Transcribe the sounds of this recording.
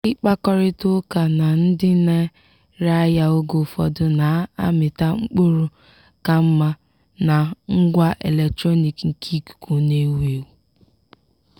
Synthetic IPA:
ɪ˦k͡pa˦kɔ˦ɾɪ˦tʊ˦ka˨na˨n̩˦dɪ˦ne˦ | ɾa˦ja˦o˦ɡo˨fɔ̰˨dʊ˨na˨a̰˦mɪ˨ta˦ŋ͡m̩˦k͡po˦ɾu˦ | ka˦m̩˦ma˦ | na˨ŋ̩˦ɡʷa˦ʔe˨le˨k̚tɾɔ˦ni˨kŋ̩˨kʰi˦kɡo˨ne˦we˨wu˨

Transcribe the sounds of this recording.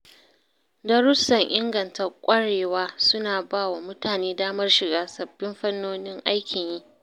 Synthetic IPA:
dɐ˦ɾʊ˦sɐ˨ŋʔɪ˦ŋɡɐ˨ntʰɐ˦rkʷʼɐ˦ɽeː˨waː˦sʊ˦naː˨baː˦˨wa˨mʊ˦taː˨neː˦daː˦mɐ˦rʃɪ˨ɡaː˦sɐ˨bːɪ˦mɸɐ˦nːoː˦nɪ˦ŋʔa˦jkʲʰɪ˨ɲjiː˦ʔ

